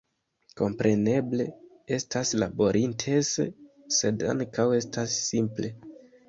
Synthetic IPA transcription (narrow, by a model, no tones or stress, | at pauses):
ko̞mpɾe̞ne̞ble̞ | e̞staslabo̞ɾʔintʰes | se̞da̰ŋkawe̞stasːimple̞